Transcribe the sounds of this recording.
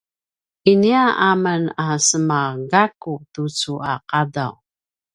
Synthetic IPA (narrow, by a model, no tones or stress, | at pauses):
iniaʔamənasəmaɡakutut͡suaqadaw